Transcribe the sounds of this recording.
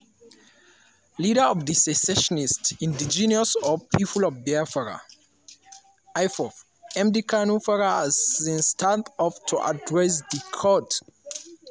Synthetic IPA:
liɾəɔvdisɛsɛʃɔnistĩndid͡ʒiniɔsɔpʰipʰulɔvbafaɹa̰ | ajfɔf | ɛ̃mdikʰanufaɹaazĩnstʰatɔftʰuʔa̰dɹɛs̬dikʰɔt

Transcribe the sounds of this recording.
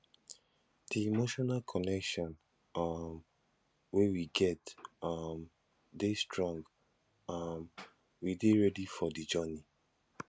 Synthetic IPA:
d̥iimoʃɔnalkʰɔnɛkʃɔ̃n | m | wewiɡɛtam | destɹɔ̃ŋɡ | am | wideɹɛdifɔdid͡ʒɜni

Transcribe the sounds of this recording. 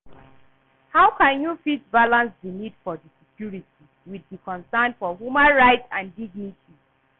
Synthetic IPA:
hawkãnjufitbalãnsdinidfɔdisɛkʰjuɹitʰi | widikʰɔ̃nsanfɔɦjumãnɹaɪtsãndiɡ̚nitʰi

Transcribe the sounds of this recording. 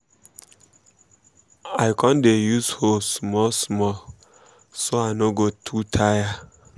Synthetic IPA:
ajkɔ̃ndejushosmɔlsmɔl | soaɪnoɡotʰutʰaja

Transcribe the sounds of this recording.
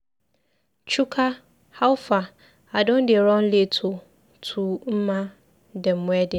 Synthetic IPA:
t͡ʃʰukʰa | hawʊfa | adõndɪɛɾɔ̃n̩letʰʊ | tʰum̩mã | dɛm̩mʊ̃ɛdɪ

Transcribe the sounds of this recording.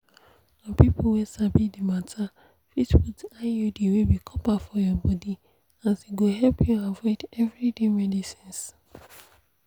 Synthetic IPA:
ɔ̃pipʰowisabidimatʰa | fitwutajudiwilbikʰɔpafɔjɔbɔdi | asiɡoɦɛlpʰjuavɔɪdɛvɹidemɛdisĩns

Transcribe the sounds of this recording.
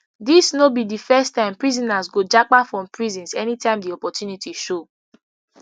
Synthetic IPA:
disnobidifɛstãɪ̃mpɹizĩnazɡod͡ʒak͡pafɹɔ̃mpʰɹizĩnsɛnitãɪ̃mdiɔpɔtjunitʰiʃo

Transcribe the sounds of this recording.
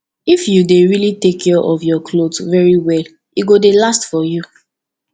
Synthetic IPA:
ifjudeɹilitekʰːɛʔɔvjɔkʰlodvɛɹiwɛl | iɡodelastfɔju

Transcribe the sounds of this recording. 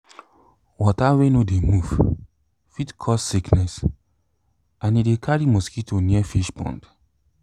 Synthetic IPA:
wɔtawenodemuv | fitkʰɔsːiknɛs | ãnidekʰaɹimɔskitoniɛfiʃpɔ̰̃nd

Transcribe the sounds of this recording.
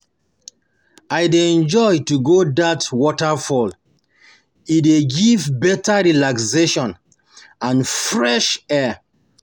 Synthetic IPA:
ajdeɛ̃nd͡ʒɔjtuɡodatwɔtafɔl | ideɡivbɛtaɹilakseʃɔ̃n | ãnfɹɛʃɛ

